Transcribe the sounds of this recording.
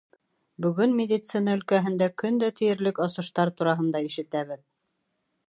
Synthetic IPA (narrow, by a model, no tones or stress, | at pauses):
bɵ̆ɡɵnmʲɪd̪ʲit̪sɨnaɵ̆lkæɦɘ̆nd̪ækɵnd̪æt̪ʰɘ̆jɘ̆ɾlɘkɑsɤ̆ʃt̪ɑɾt̪uɾɑɦɤ̆nd̪ɑiʃɘ̆t̪æβɘð